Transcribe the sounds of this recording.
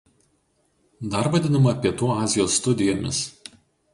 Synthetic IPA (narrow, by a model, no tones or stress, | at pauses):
d̪ɐˑɾʋɐd̪ʲɪnɐmɐpʲiɛt̪uːɑːzʲɪjoːsːt̪ʊd̪ʲɪjoːmʲɪ̰s